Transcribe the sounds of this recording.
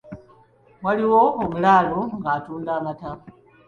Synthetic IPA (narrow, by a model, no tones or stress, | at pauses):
mwaliwo̞ːmulaːloŋɡaːtuːndaːmata